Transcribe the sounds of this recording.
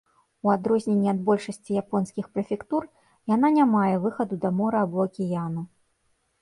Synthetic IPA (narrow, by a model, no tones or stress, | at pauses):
uad̪ɾɔzʲnʲenʲːiad̪bɔlʲʂɐsʲt͡sʲijapɔnskʲixpɾɐfʲɛkt̪ur | jananʲamajɛvɨxɐd̪ud̪ɐmɔɾɐːbɔɐkʲijanu